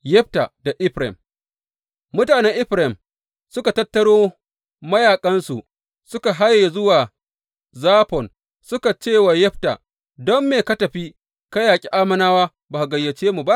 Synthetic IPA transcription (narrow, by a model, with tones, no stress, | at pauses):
jɛ˦ɸ̚ta̰˨da˨ʔɪ˦ɸɾɛ̰˨m | mʊ˦taː˨nɛ˦ŋʔɪ˦ɸɾɛ˨m | sʊ˦ka˨tɐ˦tːɐ˦ɽoː˦ | mɐ˦jaː˨kʼɐ˦nsu˨ʔ | sʊ˦ka˨ɦa˦jːa˨zʊ˦waː˨ | zaː˦pɔ˨n | sʊ˦ka˨t͡ʃeː˦˨waː˨jɛ˦ɸta̰˨ | dɔ˦mːeː˨kɐ˦tɐ˨ɸi˦ | ka˦jaː˨kʲʼi˦ʔaː˦mɐ˦naː˦waː˦ | baː˨ha˨ɡɐ˨jːɐ˨t͡ʃeː˦mu˨ba˦ʔ